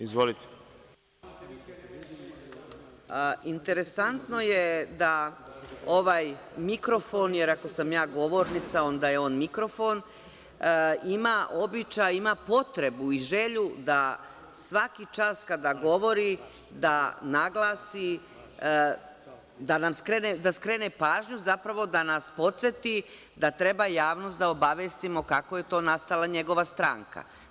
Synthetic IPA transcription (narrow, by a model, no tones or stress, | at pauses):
izʋolit̪e̥ | int̪e̞ɾe̞sant̪no̞jed̪a | o̞ʋaːjmikɾo̞fo̞njeɾako̞samjaːɡo̞ʋo̞ːɾnit̪sao̞nd̪aje̞o̞ːnmikɾo̞fo̞n | imaʔo̞bit͡ʃajimapo̞t̪ɾe̞buiʒeʎud̪a | sʋakit͡ʃaːskad̪aɡo̞ʋo̞ɾi | d̪anaɡlˠaːsi | d̪anamskɾeːned̪askɾe̞ːnepaːʒɲuzapɾaʋo̞d̪anaspo̞t̪se̞t̪i | d̪at̪ɾe̞bajaːʋno̞st̪d̪ao̞baʋjest̪imo̞kakoje̞t̪o̞ːnast̪alˠaɲe̞ɡo̞ʋast̪ɾa̰ːŋka̰